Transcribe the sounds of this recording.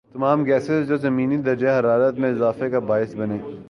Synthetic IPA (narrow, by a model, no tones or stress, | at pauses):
t̪ɐmaːmɡɛːsɪzd͡ʒoːzɐmiːnid̪ɐɾd͡ʒeɦɐɾaːɾət̪mẽɪzaːfekabaːɪsbɐneː